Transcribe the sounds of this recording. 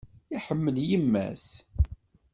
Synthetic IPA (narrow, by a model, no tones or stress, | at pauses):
iħəmːəljimːæ̰s